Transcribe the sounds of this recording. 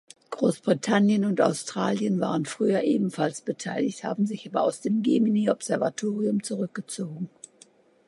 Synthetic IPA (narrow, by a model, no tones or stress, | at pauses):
ɡ̥ʁoːsb̥ʁitʰanjənʊnta̰ʊstʁ̥a̰ːljənva̰ːʁ̞ənfʁ̥yːɐʔeːbm̩falsb̥ətʰaɪlɪçtha̰ːbm̩zɪçʔaːbɐa̰ʊsd̥eːmɡemineɔpz̥ɛɐva̰tʰoːʁiʊmt͡suʁʏk̚ɡ̥ət͡soːɡŋ̩